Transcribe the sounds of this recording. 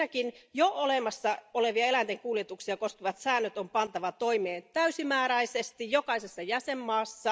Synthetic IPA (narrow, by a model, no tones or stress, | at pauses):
ækinjoolemɑsːɑoleʋiɑelænt̪eŋkuːljet̪uksiɑkoskiʋɑt̪sæːnːøt̪ompɑnt̪ɑʋɑt̪oimeːnt̪æysimæːɾæisest̪ijjokɑisesːɑjæsemːɑːsːɑ